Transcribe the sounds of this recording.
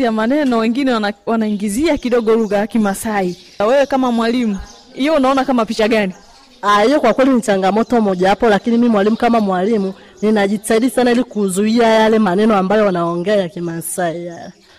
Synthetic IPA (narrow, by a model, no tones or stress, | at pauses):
iamanɛnɔwɛŋɡinɛwanaiŋɡiziakiɗɔɡɔluɣajakimasai | wɛwɛkamamwalimu | hijɔunaɔnakamapit͡ʃaɡani | ahijɔkwakwɛlinit͡ʃaŋɡamɔtɔmɔʄaapɔlakinimimwalimukamamwalimu | ninaʄitaiɗisanailikuzuiajalɛmanɛnɔambajɔanaɔŋɡɛajakimasaijalɛ